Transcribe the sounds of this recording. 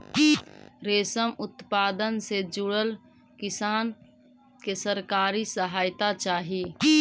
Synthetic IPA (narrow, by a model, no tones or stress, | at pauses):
ɾeːsəmʊt̪paːd̪ənsed͡ʒʊɽəl | kɪsaːn | kesəɾkaːɾisəɦaːjt̪at͡ʃaːɦi